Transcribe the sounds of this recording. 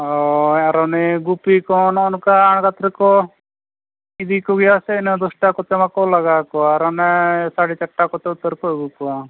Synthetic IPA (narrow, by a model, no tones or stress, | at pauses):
ɔaɾɔneɡupikɔnɔnkaːɳ̃kat̪ɾikɔ | id̪ikɔɡiasɛnɔd̪ɔsʈakɔt̪emakɔlaɡakɔaɾɔnɛsaɽit͡ʃɐʈːakɔt̪eut̪ːəɾkɔɡukua